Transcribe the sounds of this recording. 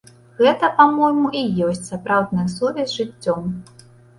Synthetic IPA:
ɣɛt̪ɐpamɔjmuʔijɔsʲt͡sʲsapɾawd̪nɨjɐsuvʲɛzʲʐɨt͡sʲːɔm

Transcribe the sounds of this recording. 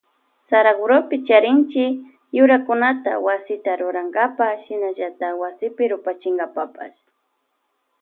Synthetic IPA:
saɾaɡʊɾopɪt͡ʃaɾɪnt͡ʃɪ | jʊɾakʊnat̪a̰wasɪt̪aɾʊɾaŋɡapaʃɪnaʒat̪awasɪpɪɾʊpat͡ʃɪŋɡapapa̰s

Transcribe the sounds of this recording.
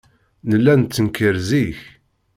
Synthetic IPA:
nəlːænt͡sːəŋkːəɾziç

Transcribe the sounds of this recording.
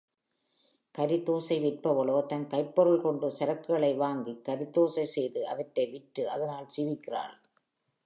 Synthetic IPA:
kɐɾɪt̪ːoːsɐɪʋɪʈ̚pɐʋɐɭoːt̪ɐnkɐɪpːɔɾɯɭkɔɳɖɯsɐɾɐkːɯɣɐɭɐɪʋaːŋɡikːɐɾɪt̪ːoːsɐɪsɛjðɯʔɐʋɐʈːɐɪʋɪʈːɯʔɐðɐnaːlsɪʋɪkːɪra̰ːl

